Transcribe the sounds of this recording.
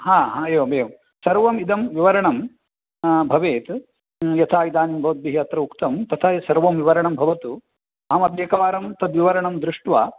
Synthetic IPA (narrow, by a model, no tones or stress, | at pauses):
ɦaːɦaɐjoːbejɐm | sɐɾʋɐmid̪ɐmʋiʋɐɾɐɳɐm | bʱɐʋeːt̪ | jɐt̪ʰaːid̪aːnimbʱɐʋɐt̪̚biɦjɐt̪ɾɐukt̪ɐmt̪ɐt̪ʰasɐɾʋɐmʋiʋɐɾɐɳɐmbʱɐʋɐt̪u | aːmɐb̪jeːkɐʋaːɾɐmt̪ɐd̪ʋiʋɐɾɐɳɐmd̪ɾuʂʈʋaː